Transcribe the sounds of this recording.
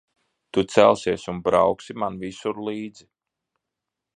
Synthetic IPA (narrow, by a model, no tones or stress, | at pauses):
t̪ut̪sælˠsiɛsunbɾawksimanvisuɾliːd̪zi